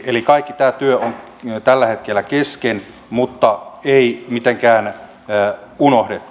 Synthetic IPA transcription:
elikɑikːit̪æːt̪yøoŋ | t̪ælːæhet̪kelːækesken | mut̪ːɑeimit̪eŋkæːnː | unohdet̪ːu̥

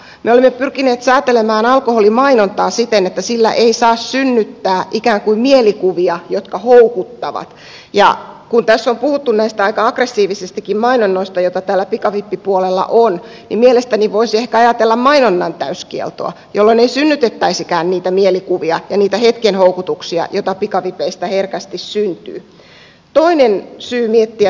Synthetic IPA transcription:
meolimːepyrkineːt̪sæːt̪elemæːnɑlkoholimɑinont̪ɑːsit̪enet̪ːæsilːæ̰ʔeisɑːssynːyt̪ːæːʔikæːŋkuimmielikuʋiɑjot̪kɑhoukut̪ːɑʋɑ̰t̪ | jɑ̰kunt̪æsːompuhut̪ːunnæist̪æɑikɑɑkresːiːʋisest̪ikːimmɑinonːoist̪ɑjot̪ɑt̪æːlːæpikɑʋipːipuolelːɑ̰ʔon | nimielest̪æniʋoisiehkæɑjɑt̪elːɑmmɑinonːɑnt̪æyskiḛlt̪o̰ɑ̰ | jolːoneisynːyt̪et̪ːæisikæːnniːt̪æmielikuʋiɑjɑniːt̪æhet̪kenhoukut̪uksiɑ̰jot̪ɑpikɑʋipeist̪æherkæst̪issynt̪y̰ː | t̪oinensyːmiet̪ːiæ

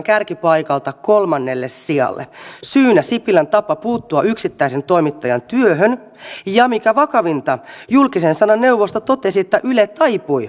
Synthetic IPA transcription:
ŋkærkipɑjkɑlt̪ɑkolmɑnːelːessiɑ̰lːḛsyːnæsipilænt̪ɑpːɑpuːt̪ːuɑyksit̪ːæisent̪oimit̪ːɑjɑnt̪yøɦøn | jɑmikæʋɑkɑʋint̪ɑjulkisensɑnɑnːeuʋost̪ot̪ot̪esiet̪ːæʔylet̪ɑipui

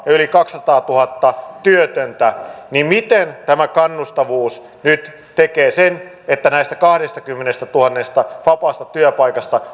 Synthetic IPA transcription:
jɑylikɑkssɑt̪ɑːt̪uhɑt̪ːɑt̪yøt̪ønt̪ænimmit̪ent̪æmækɑnːust̪ɑʋuːs | nyt̪ | t̪ekeːsen | et̪ːænæist̪ækɑhɾest̪ɑkymːenest̪æt̪uhɑnːest̪ɑʋɑpɑst̪ɑt̪yøpɑikɑst̪ɑ

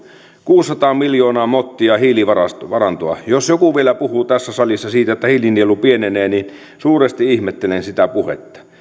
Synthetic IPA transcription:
kuːsːɑt̪ɑːmiljoːnɑːmot̪ːiɑhiːliʋɑɑsʋɑrɑnt̪oɑ̰josjokuʋielæpuhuːt̪æsːæsɑlisːɑsiːt̪æot̪ːæhiːlinːielupieneneːnin | suːrest̪iihmet̪ːelensit̪æpuhḛt̪ːɑ̥

